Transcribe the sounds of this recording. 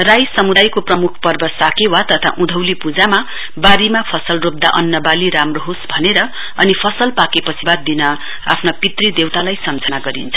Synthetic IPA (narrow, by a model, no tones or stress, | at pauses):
rajsʌmud̪ajkoprʌmukʰpʌrbʌsakewat̪ʌt̪ʰa̰ʔũd̪ʱʌwlipud͡zama | baɾimapʰʌsʌlrop̚d̪aʔʌnːʌbaliɾamroɦosbʱʌneɾʌ | ʌnipʰʌsʌlpakepʌsibat̪̚d̪inʌ | a̰pʰnʌpit̪rid̪ewt̪alajsʌmd͡zʱʌnaɡʌɾḭnt͡sʰʌ